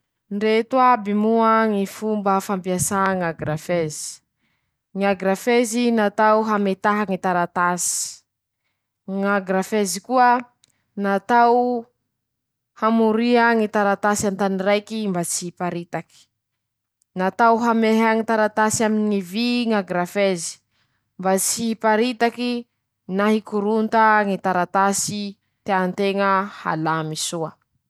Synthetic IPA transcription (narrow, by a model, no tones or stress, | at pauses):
ɳɖ͡ʐet̪uabimuaŋifumbəfampiasaŋaɡrafezi̥ | ŋaɡɾafezinat̪awɦamet̪aɦaŋit̪aɾat̪asi̥ | ŋaɡɾafezikuə | nat̪aw | hamuɾiaŋit̪aɾat̪asant̪aniɾajkimbat͡sipaɾit̪aki̥ | nat̪awɦameɦaŋit̪aɾat̪asiaminiŋiviŋaɡɾafezi̥ | mbat͡sipaɾit̪aki | naɦikuɾunt̪aŋit̪aɾat̪asi | t̪eant̪eŋəha̰lamisua